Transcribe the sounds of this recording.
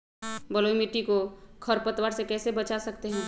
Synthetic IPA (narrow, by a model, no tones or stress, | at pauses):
bəloːimiʈikokʰəɾpət̪waːɾsekɛːsebɐt͡ʃasɐkt̪eɦɛ̃ː